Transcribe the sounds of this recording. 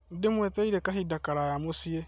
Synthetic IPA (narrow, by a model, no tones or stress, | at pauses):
n̩dɪmwɛt̪eiɾekaɦidakaɾajamosie